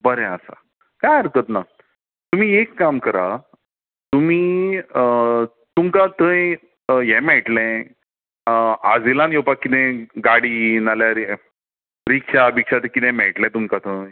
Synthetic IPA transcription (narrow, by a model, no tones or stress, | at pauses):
bəɾɛ̃asa̰ | kajəɾkət̪na | t̪um̤iːekːamkəɾa | t̪um̤iː | t̪umkat̪ə̃ | jɛ̃mɛɭʈlɛ̃ | a̰d͡zilãnjowpakːit̪ɛ̃ɡaɽinaljaɾi | ɾikʂabikɕat̪̬ə̃kit̪ɛ̃mɛʈlɛ̃t̪umkat̪ə̃